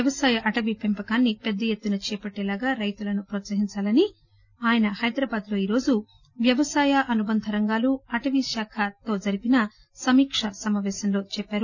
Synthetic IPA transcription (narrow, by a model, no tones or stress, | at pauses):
jɐʋɐsaːjɐʔɐʈɐʋipempɐkaːnːipɛd̪ːɐjet̪ːunɐt͡ʃɛːpɐʈːɛːlaːɡaːɾɐjt̪ulɐnupɾoːt̪sɐɦiɲt͡ʃaːlɐni | aːjɐnɐhɐjd̪ɾɐːbaːd̪lo̞ːiːɾo̞ːd͡ʒu | ʋjɐʋɐsaːjɐʔɐnubɐnd̪ʱɐɾɐŋɡaːluɐʈɐʋiʃaːkʰat̪o̞ːd͡ʒɐɾipinɐ | sɐmiːkʂɐsɐmaːʋɛːsɐmlo̞ːt͡ʃɛpːaːɾu